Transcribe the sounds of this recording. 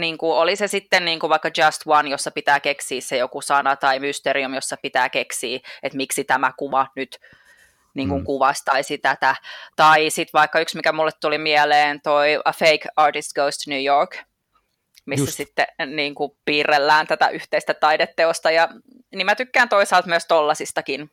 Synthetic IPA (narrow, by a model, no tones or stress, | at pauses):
niːŋkuolisesit̪ːenniːŋkuʋɑikːɑd͡ʒɑst̪wɑnjosːɑpit̪æːkeksiːssejokusɑnɑt̪ɑimyst̪eɾiumjosːɑpit̪æːkeksiːet̪miksit̪æmækuʋɑnyt̪ | niːŋkuŋkuʋɑst̪ɑisit̪æt̪æt̪ɑisit̪ʋɑikːɑyksmikæmulːet̪t̪ulimiɛleːnt̪oiɑfeikɑːrtist̪ɡ̥oust̪nyːjoɹk | misːæsit̪ːeniːŋkupiːrːelːæːnt̪æt̪æ̰ʔyht̪eist̪æt̪ɑidet̪ːeost̪ɑjɑ | nimæt̪ykːæːnt̪oisɑːlt̪myəst̪olːɑsist̪ɑkin